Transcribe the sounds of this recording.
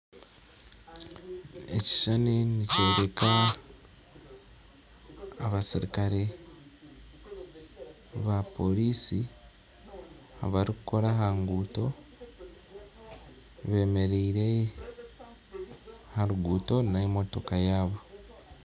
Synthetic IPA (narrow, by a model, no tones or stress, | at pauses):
e̞̰ci̥ʃaniniceːɾe̞ka | βasiɾikaɾe | βapo̞liːsi | a̰βaɾikuko̞ɾaɦaŋɡuːto̞ | βe̞ːme̞ɾiiɾe̞ | haɾuɡuːto̞naemo̞to̞kajaːβo̞